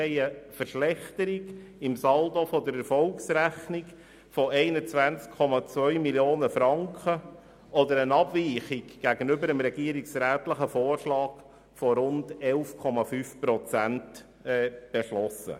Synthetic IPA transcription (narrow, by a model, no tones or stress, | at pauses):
ɛɪəfəɾʃlɛχt̪əɾiɡɪmsɑld̪ofɔd̪əɾɛɾfɔlksɾæχniɡ | fɔʔɛɪnət͡sʋænt͡skʰːɔmɑt͡svœʏmiljoːnəfɾɑŋkχə | ɔd̪əɾənɑbviːχɪɡɡ̥æɡənʏbəɾəmɾɛɡ̥iəɾiksɾæːtləχəfoːrʃlɑːɡ | fɔɾʊndɛlfkʰɔmɑfyːfpɾɔt͡sænt | ɛːb̥eʃlɔsə̰